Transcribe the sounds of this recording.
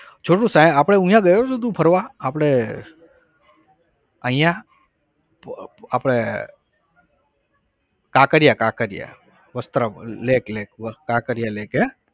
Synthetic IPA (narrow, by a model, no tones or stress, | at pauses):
t͡ʃʰoːʈ̬ũsãjapɽ̃eũjãɡəjosud̪ʱũpʰəɾʋaːpɽ̃e | əɦĩjã | apɽ̃e | kãːkəɾjakaːkəɾija̰ | ʋəst̪ɾəleːkleːkːakəɾijaleːke